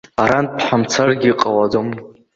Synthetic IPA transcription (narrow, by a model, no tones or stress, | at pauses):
aɾanpʰħamt͡sʰarɡʲiqʼawad͡zom